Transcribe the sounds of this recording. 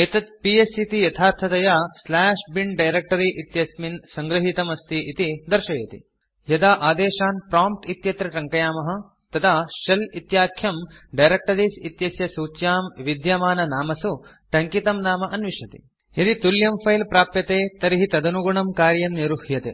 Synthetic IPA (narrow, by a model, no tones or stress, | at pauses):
eːt̪ɐt̪̚piesit̪ijɐt̪ʰaːɾt̪ʰɐt̪ɐjaslaːʂbiɳɖɐjɾek̚ʈɐɾiʔit̪jɐsminsɐŋɡɾɐɦit̪ɐmɐst̪ʰiʔit̪id̪ɐɾʃɐjɐt̪ḭ | jɐd̪aːʔaːd̪eːʃaːnpɾaːmp̚ʈit̪jɐt̪ɾɐʈɐŋkɐjaːmɐɦɐ̆ | t̪ɐt̪ʰaːʃɐlit̪jaːkʰjɐmɖɐjɾek̚ʈɐɾiːsit̪jɐsjɐsuːt͡ʃjaːmʋid̪jaːmaːnɐnaːmɐsu | ʈɐŋkit̪ɐmnaːmɐʔɐnʋiʃɐt̪ḭ | jɐd̪it̪uljɐmpʰɐjlpɾaːpjɐt̪eːt̪ɐɾiɦit̪ɐd̪ɐnuɡuɳɐmkaːɾjɐmniɾuhjɐt̪ḛ